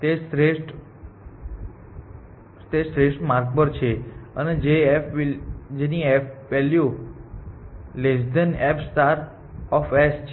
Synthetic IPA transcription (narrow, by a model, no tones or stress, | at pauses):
t̪esɾeʂʈ | t̪esɾeʂʈmaɾk̚bəɾt͡ʃʰeəned͡ʒeefd͡ʒeniɛfʋelju | led͡ʒd̪ənɛpsʈ̪aɾ | ɔfest͡ʃʰ